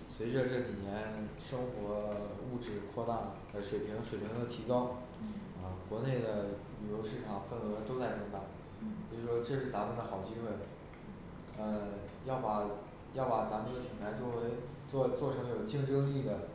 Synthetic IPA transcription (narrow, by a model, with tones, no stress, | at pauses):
swe˧˥ɪʈ͡ʂə˧ʈ͡ʂɤ˥˩t͡ɕi˨˩njɛ˧˥nʂɤ˥ŋxwɔ˧˥u˥˧ʈ͡ʂɻ̩˥˩kʰwɔ˥˧t̪a˥˩ | ə˧˥ʂwe˨˩ɪpʰi˧˥ŋ˧ʂwe˨˩pʰi˧˥ŋd̪ə˧t̪ʰi˧˥kɑ˥ʊ | ə˧kwɔ˧˥ne˥˩ɪd̪ə˩ly˨˩jo˧˥ʊʂɻ̩˥˩ʈ͡ʂʰɑ˨˩ŋfə˥˩nɤ˧˥t̪o˥ʊt͡sa˥˩ɪt͡sɤ˧˥ŋt̪ɑ˨˩˦ŋ | pʰi˧˩ɻʂwɔ˥ʈ͡ʂɤ˥˧ʂɻ̩˥˩t̪a˧˥fʰə˥˩nd̪ə˧xɑ˨˩ʊt͡ɕi˥xwe˥˩ɪ | ə˧jɑ˥˩ʊpa˨˩ | jɑ˥˩ʊpa˨˩t͡sa˧˥mə˧nd̪ə˩pʰi˧˥˩ŋpʰa˧˥ɪt͡swɔ˥˩we˧˥ɪ | ɔ˥˧t͡swɔ˥˩ʈ͡ʂʰɤ˧˥ŋə˧˩jo˨˩ʊt͡ɕi˥˧ŋʈ͡ʂɤ˥ŋli˥˩d̪ə˩